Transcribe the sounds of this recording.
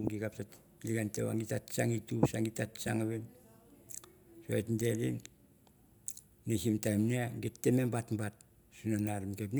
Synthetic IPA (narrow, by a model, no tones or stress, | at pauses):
ɡikapsat | liɡantḛβa̰ŋɡitatt͡ʃaŋitusaŋɡitatt͡ʃaŋaβen | soetnde̞lḭn | nesimtajmneaɡettːemembatmbat̚ | sunanaɾimkep̬n